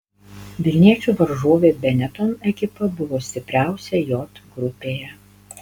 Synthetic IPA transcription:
ʋʲɪlʲnʲiɛt͡ʃʲuːʋɐɾʒoːʋʲeːbʲɛnʲɛt̪oːmɛkʲɪpɐbʊʋoːsʲt̪ʲɪpʲɾʲæˑʊsʲɛjɔt̪ɡɾʊpʲeːjɛ

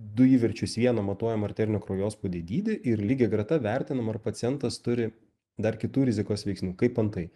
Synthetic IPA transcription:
d̪ʊiːʋʲɛɾʲt͡ʃʲʊsʋʲiɛnɐmɐt̪uɔjɛmɐrʲt̪ʲɛɾʲɪnʲoːkɾoːjoːspod̪ʲed̪ʲiːd̪ʲɪʔɪɾlʲiːɡʲɛɡɾɐt̪ɐʋʲæɾʲt̪ʲɪnɐmɐrpɐt̪sʲɪjɛnt̪ɐst̪ʊɾʲɪ | d̪ɐrkʲɪt̪uːɾʲɪzʲɪkoːsʋʲɛɪksʲnʲuːkɐɪpɐnt̪ɐɪ

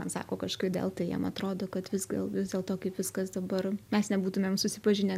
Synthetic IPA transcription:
ɐnsɑ̰ːkoːkɐʃkɐɪpd̪ʲḛlˠt̪ɐɪjḭmɐt̪ɾoːd̪oːkɐt̪ʋʲɪzɡd̪ʲḛlˠʋʲɪzd̪ʲeːlˠt̪oːkɐɪpʋʲɪskɐsd̪ɐbɐrmʲɛsnʲɛbuːt̪ʊmʲeːmsʊsʲɪpɐʒʲɪnʲeː

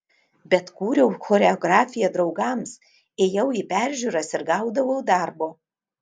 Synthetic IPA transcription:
bʲɛt̪kuːɾʲɛʊxɔːɾʲɛɔɡɾɑːfʲɪjɛd̪ɾɒʊɡɐms | eːjɛʊiːpʲæˑɾʲʒʲuːɾɐsɪɾɡɑˑʊd̪ɐʋoʊd̪ɑˑɾboː

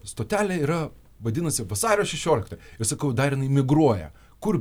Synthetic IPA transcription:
st̪oːt̪ʲæːlʲeiːɾɐ | ʋɐd̪ʲɪnɐsʲɪʋɐsɑːɾʲoːʃʲɛʃʲoːlʲɪkt̪oːjɪrsɐkɐʊd̪ɐrjɪnɐɪmʲɪɡɾuɔjɛ̰ | kʊr

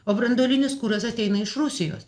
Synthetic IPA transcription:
oːbɾɐnd̪oːlʲɪnʲɪskuːɾɐsɐt̪ʲɛɪnɐɪʃɾʊsʲɪjo̰ːs

